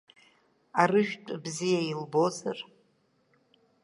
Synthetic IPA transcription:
arɨʃᶣtʷʼbzijailbo̞zar

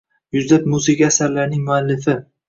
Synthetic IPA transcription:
jʊzlap̚muzɪɡʲaasaɾlaɾnɪŋmʊalːɪfɪ

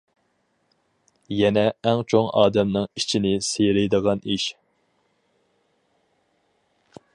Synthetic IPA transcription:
jɛnɛːŋt͡ʃʰoŋɑːd̪ɛmnɨŋit͡ʃʰinɪsejɾɪjd̪əʁɑniʃ

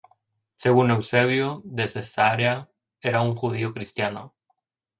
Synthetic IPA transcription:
seɣune̞wseβjoðezest̪aaɾea | eɾauŋxuð̞iokɾist̪jano

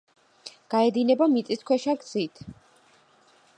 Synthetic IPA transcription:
ɡ̥aɛd̪inɛbamit̪sʼiskʰwɛʃaɡz̥it̪ʰ

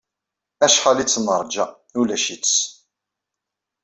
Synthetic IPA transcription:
æʃχalit͡sːnəɾˤd͡ʒæ | ulæʃis

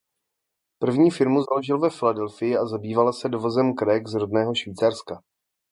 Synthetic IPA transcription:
pr̩vɲiːfɪɾmuzalo̞ʒɪlvɛfɪladɛlfɪjɪazabiːvalasɛdovo̞zɛmkɾɛːɡzɾodnɛːɦo̞ʃviːt͡saɾska

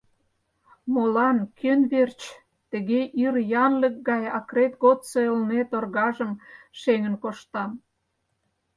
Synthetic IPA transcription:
molɑnkʰønβert͡ɕ | t̪ə̆ɣeʔirjɑnlək̚ɡɑjɑkɾet̪ɡot̪soəlnet̪orɣɑʒəm | ʃeŋənkoʃt̪ɑm

